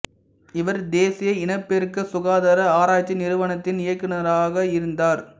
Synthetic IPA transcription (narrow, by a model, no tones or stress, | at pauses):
ɪʋɐɾd̪eːsɪjɐɪnɐpːɛɾɯkːɐsʊɣaːðɐɾɐaːɾaːjt͡ʃːɐnɪɾɯʋɐɳɐt̪ːɪnɪjɐkːɪnɐɾaːɣɐɪɾɯnd̪aːɾ